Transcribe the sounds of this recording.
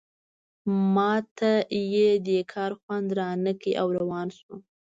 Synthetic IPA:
mɑt̪ʰajed̪əkʰɑɾxwand̪ɾɑnəkiʔawɾawɑnsu

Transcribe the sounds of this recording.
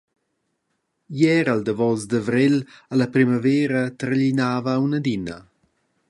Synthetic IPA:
jɛɾald̪əvɔzd̪avɾelalapɾimavɛːɾət̪ɾʎinaːvəːwnəd̪inə

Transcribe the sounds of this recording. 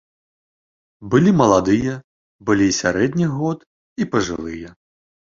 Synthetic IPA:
bɨlʲimɐlˠad̪ɨjɛ | bɨlʲisʲaɾɛd̪ʲnʲiɣɔt̪ | ipɐʐɨ̰lˠɨjɛ

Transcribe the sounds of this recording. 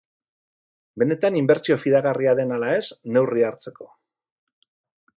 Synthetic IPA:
be̞ne̞t̪animbe̞ɾt͡sio̞fiðaɣariaðe̞nalae̞sne̞wriaɾt͡se̞ko̞̥

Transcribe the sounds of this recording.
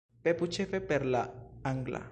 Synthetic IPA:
pɛput͡ʃʰɛfɛpɛɾlaaŋɡla̰

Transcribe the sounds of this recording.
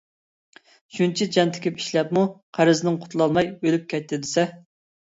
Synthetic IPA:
ʃunt͡ʃʰid͡ʒɛnt̪ʰɪ̥kʲipi̥ʃlɛpmuqʰæɾɨzɪnɪŋqʰʊ̥t̪ʰlˠɑlˠmɑjbølyp̚kʲɛt̪ːɪd̪ɪsɛ

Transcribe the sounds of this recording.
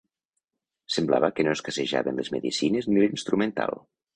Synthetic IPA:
sembla̰βəkənoeskəseʒa̰βənlezmḛðisinəznilinst̪ɾument̪a̰lˠ

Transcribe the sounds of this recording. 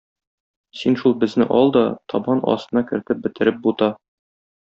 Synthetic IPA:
sinʃulˠbɘ̆znɘʔɒlˠd̪ɒt̪ʰɒbɑnʔɒ̰st̪ɤ̆nɑkɘ̆ɾt̪ɘp̚bɘ̆t̪ɘ̆ɾɘp̚but̪ɑ

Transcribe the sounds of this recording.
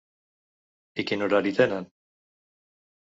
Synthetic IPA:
ikinoɾaɾit̪enan

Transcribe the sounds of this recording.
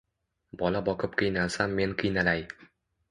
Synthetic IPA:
bɒlabɒqʰɨp̚qʰɨjnalsamːe̞nqʰɨjnalaj

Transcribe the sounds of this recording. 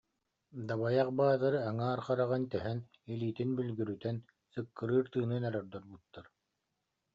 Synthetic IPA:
d̪aβajaqbaːd̪aɾɯaŋaːɾχaɾaʁɯnt̪ɛɦɛn | iliːt̪inbylɡyɾyt̪ɛn | sɯkːɯɾɯːɾt̪ɯːnɯnœɾœɾd̪ɔɾbut̪ːaɾ

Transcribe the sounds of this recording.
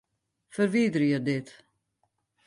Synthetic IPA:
fəɾviːd̪ɾjəd̪ɪt̪

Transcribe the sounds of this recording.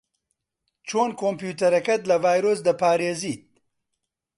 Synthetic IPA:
t͡ʃʰoːnkoːmpjuːt̪ɐɾɐkɐt̪lɐvaːjɾoːs̬d̪ɐpaːɾeːziːt̪̚

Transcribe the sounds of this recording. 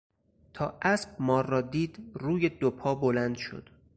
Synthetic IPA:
t̪ʰɒːʔæsb̥̚mɒːrːɒːd̪iːd̪ruːjed̪opʰɒːbolænd̪ʃo̰d̪̥

